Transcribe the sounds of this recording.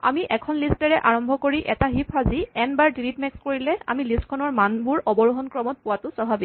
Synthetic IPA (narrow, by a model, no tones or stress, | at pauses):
a̰miʔɛkʰɔnlistɛɹɛʔaɹɔmbʱɔkoɹiʔɛtaɦipʰaziɛnbaɹdilitmɛkskoɹilɛa̰milistkʰɔnɔɹmanbuɹɔbɔɹuɦɔnkɹɔmɔt̚pʊwatʊsɔbʱabi